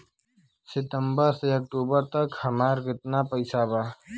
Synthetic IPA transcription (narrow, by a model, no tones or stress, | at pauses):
sɪt̪əmbəɾseɐk̚ʈuːbəɾt̪əkhəmaːɾkɪt̪napəɪsabaː